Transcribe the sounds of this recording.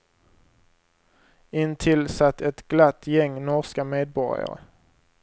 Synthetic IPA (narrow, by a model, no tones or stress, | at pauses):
ɪnt̪ʰɪlsat̪ːɛt̪ɡlat̪ːjɛŋːnɔɾskameːd̪̚bɔɾja̰ɾə̰